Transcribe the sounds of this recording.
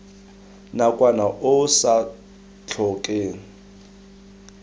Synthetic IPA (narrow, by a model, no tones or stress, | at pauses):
nakʼwanaʔʊsa | t͡ɬʰɔːkʼeːŋ̩